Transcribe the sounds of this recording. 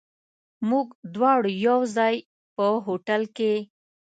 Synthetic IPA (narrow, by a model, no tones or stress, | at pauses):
muɡd̪wɑɽjawzɑj | pəɦoʈalke